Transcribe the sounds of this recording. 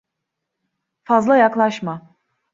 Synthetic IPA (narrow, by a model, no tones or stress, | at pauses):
fazlˠajaklˠaʃma